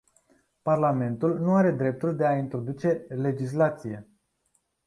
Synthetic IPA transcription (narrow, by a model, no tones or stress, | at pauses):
parlame̞nt̪ulnuaɾe̞d̪ɾe̞p̚t̪uld̪e̞aint̪ɾo̞d̪ut͡ʃe̞le̞d͡ʒis̬lat̪sije̞